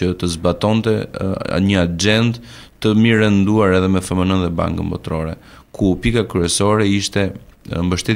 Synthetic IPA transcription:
ət̪əzbat̪ɔnt̪ɛa̰ɲəad͡ʒɛndt̪ | t̪əmiɾɛnd̪uaɾɛðɛmɛfɛmənənðɛba̰ŋkəmbɔ̰t̪ɾɔɾɛ | kʰupikakɾyɛsɔɾɛiʃt̪ɛmbəʃt̪ɛ

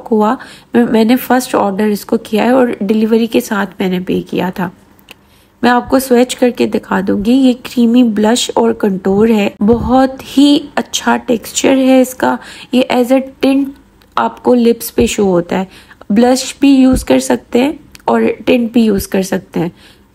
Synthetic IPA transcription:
kɦuamɛ̃ːnefɐɾsʈɔ̰ːɾɖəɾɪskokijaɦɛɔːɾɖɪlɪʋəɾikesaːt̪ʰmɛ̃ːnepḛːkḭja̰t̪ʰaː | mɛ̃aːp̚kosweːt͡ʃkɐɾked̪ɪkʰaːd̪ũːŋɡijekɾiːmiblɐʃɔːɾkɐ̃ɳʈoːɾɦɛːbɔɦɔt̪hiɐtːʃʰaʈeːkst͡ʃəɾɦɛɪskajeʔɛːzaʈɪ̃ɳʈ | aːpkolɪpspeʃoːɦoːt̪a̰ɦɛːblɐʃbʱijuːzkɐɾsɐk̚t̪eɦɛ̃ːɔːɾʈɪ̃ɳʈ̚bʱijuːzkɐɾsɐk̚t̪eɦɛ̃ː

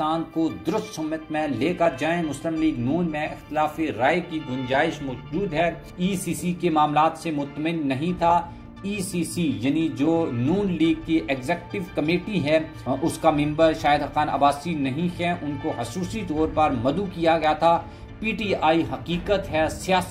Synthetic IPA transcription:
aːnkod̪ʊɾʊst̪sʊmət̪mẽleːkəd͡ʒaːẽmʊslɪmliːɡnuːnmẽʔɪxt̪ɪlaːfeɾaːekid̪ʊnd͡ʒaːɪʃmʊʃd͡ʒuːd̪ɦɛː | iːsiːsikemaːmlaːt̪semʊt̪ːmɪnːɐɦĩt̪ʰa | iːsiːsijɐnid͡ʒoːnuːnliːɡ̚kiʔɛɡzɛːkʈɪʋkɐmeːʈiɦɛ | ʊskamɪ̃mbəɾʃaːjɪd̪ɦɐqaːnɐ̰baːsiːnɐɦĩɦɛʔʊnkoɦɐsuːsit̪oːɾpəɾmɐd̪ukijaɡɐjat̪ʰaː | piːʈiːaːiɦɐqiːqət̪ɦɛsijaːs

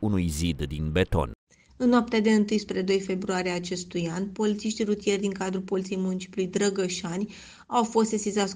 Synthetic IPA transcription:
unujzid̪d̪inbe̞t̪o̞̰n | ɨnnoap̚t̪ead̪e̞ɨnt̪ɨjspɾe̞d̪o̞jfe̞bɾuaɾʲeaːt͡ʃe̞st̪ujanpo̞lit̪siʃt̪irut̪ije̞rʲd̪iŋkad̪ɾulpo̞lit̪sijejmunt͡ʃi̥plujd̪ɾəɡəʃanʲ | awfo̞st̪esʲizat̪sʲ

